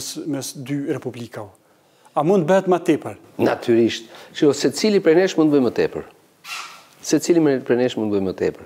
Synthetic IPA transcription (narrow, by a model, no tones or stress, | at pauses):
smɛsd̪yrɛpublikau | amunt̪̚bəhɛt̪mat̪ɛpəɾ | nat̪ʰyɾiʃt̪t͡ʃjɔsɛt͡silipɾɛnɛʃmunt̪̚bɔjmət̪ɛpə̰ɾ | sɛt͡silipɾɛnɛʃmunbɔjmət̪ɛ̰pəɾ